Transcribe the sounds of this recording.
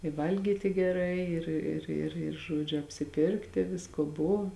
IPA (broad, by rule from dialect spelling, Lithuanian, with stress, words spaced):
ɪ ˈʋɐlʲɡʲiːtʲɪ ɡʲɛˈrɐɪ ˈɪr ɪr ɪr ɪr ˈʒuɔd͡ʒʲʊ ɐpʲsʲɪˈpʲɪrktʲɪ ˈʋʲɪskoː ˈboːʋɐ